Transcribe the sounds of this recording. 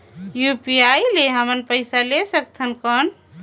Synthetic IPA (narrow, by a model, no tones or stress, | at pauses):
jupiaileɦəmənpəɪsalesəkt̪ʰənkən